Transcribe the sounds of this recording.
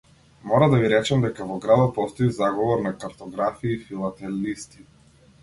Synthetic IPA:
mɔɾad̪aviɾɛt͡ʃamd̪ɛkavɔɡɾad̪ɔpɔst̪ɔizaɡɔvɔɾnakaɾt̪ɔɡɾafiːfilˠat̪ɛlist̪i

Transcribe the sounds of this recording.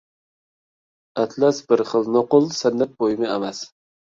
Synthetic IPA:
at̪ʰlasbɪɾχɨlˠnoqʊlˠsanːat̪̚bojɪmɪamas

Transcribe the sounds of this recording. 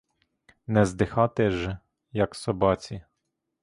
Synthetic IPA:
nɛzd̪ɪxɑt̪ɛʒ | jɐksɔbɑt͡sʲi

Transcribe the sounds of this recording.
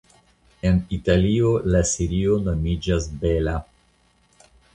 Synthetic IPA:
e̞nitalio̞lasiɾio̞no̞mid͡ʒasbe̞la

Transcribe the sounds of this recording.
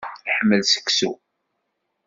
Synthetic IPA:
ħəmːəlsə̥ksu

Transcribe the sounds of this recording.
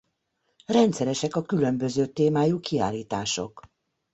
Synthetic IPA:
rɛnt̪sɛɾɛʃɛkɒkylø̞mbø̞zøːt̪eːmaːjuːkia̰ːlːiːt̪aːʃo̞̰k

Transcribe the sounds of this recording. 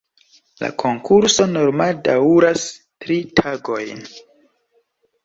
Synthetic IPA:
la̰kʰo̞ŋkʰuɾso̞no̞ɾmaldaɾas | tɾitʰaɡo̞jn

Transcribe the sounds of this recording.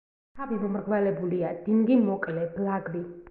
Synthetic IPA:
tʰavimɔmɾɡvalɛbuliad̪̥iŋɡimɔkʼlɛblaɡɾi

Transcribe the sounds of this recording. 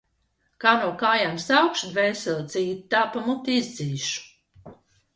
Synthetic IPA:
kaːnuɔkaːjamsawkʃud̪vɛːsɛlt̪sʲiːtt̪ːaːpamut̪iizd̪ziːʃu̥

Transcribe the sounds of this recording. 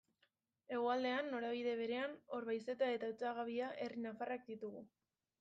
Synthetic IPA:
e̞ɣoald̪e̞anːo̞ɾaβ̞iðe̞β̞e̞ɾe̞ano̞ɾβajse̞t̪ae̞t̪aut͡saɣaβ̞iaʔe̞rinafarak̚d̪it̪uɣu

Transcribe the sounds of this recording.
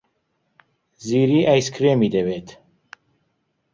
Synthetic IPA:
ziːɾiːʔajskʰɾeːmid̪ɛveːt̪ʰ

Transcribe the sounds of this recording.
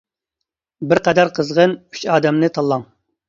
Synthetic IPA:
bɪɾqɛd̪ɑɾqʰəzʁəny̥t͡ʃɑːd̪ɛmnɨt̪ʰɑlˠːɑŋ

